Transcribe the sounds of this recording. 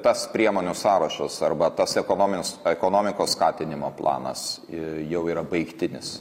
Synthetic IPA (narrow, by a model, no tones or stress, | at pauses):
t̪ɐspʲɾʲiɛmoːnʲusɑːɾɐʃɐsɐrbɐt̪ɐsɛkoːnoːmʲɪnʲsɛkoːnoːmʲɪkoːsskɑːt̪ʲɪnʲɪmoːplˠɑ̰ːnɐ̰sjɛʊiːɾɐbɐɪkt̪ʲɪnʲɪs